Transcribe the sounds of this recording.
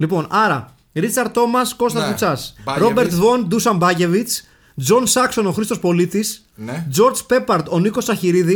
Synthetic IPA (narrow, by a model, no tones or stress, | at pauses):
lipo̞nɐɾɐ | ɾit͡sɐɾt̪t̪ːo̞mɐsko̞st̪ɐkut͡sɐsɾo̞be̞ɾt̪vo̞nd̪usɐmbɐʝe̞vit͡s | d͡zo̞nsɐkso̞no̞xɾist̪ospo̞lit̪is | d͡zo̞ɾd͡zpe̞pɐɾt̪o̞niko̞sɐçiɾiði